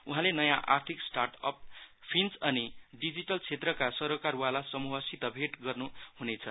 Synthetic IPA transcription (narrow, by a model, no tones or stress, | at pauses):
uɦãlenʌjãʔa̰rt̪ʰiksʈarʈʌp̚pʰinsʌniɖid͡ziʈʌlt͡sʰet̪rʌkasʌɾokarwalasʌmuɦʌsit̪ʌbʱeʈɡʌrnuhunet͡sʰʌ̰